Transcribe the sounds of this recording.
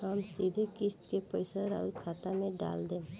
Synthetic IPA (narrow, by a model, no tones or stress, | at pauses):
əmsiːd̪ʱekɪst̪kepəɪsəɾa̰ʊlkʰaːt̪amẽɖa̰ːld̪ẽː